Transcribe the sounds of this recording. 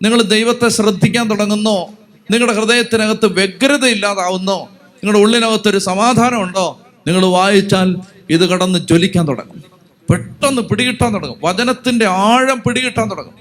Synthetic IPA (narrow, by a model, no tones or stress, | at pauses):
niŋːɐɭd̪ejʋɐt̪ːe̞ɕrɐd̪ʱːikʲːaːnt̪uɽɐŋːunːoː | niŋːɐɽekrɨðeːjɐt̪ːinɐɣɐt̪ːɨʋe̞ɡɐɾɐðɐilːaːðaːʋunːoː | niŋːɐɽeuɭːinɐʋɐt̪ːo̞ɾusɐmaːd̪ʱaːnɐmuɳɖo̞ː | niŋːɐɭʋaːjit͡ɕːaːl | iðɨkɐɽɐnːɨd͡ʑo̞likʲːaːnt̪uɽɐ̰ŋːum | peʈːɐnːɨpiɽiɣiʈːaːnt̪uɽɐŋːumʋɐd͡ʑɐnɐt̪ːinde̞aːɻɐmpiɽiɣiʈːaːnt̪uɽɐ̰ŋːṵm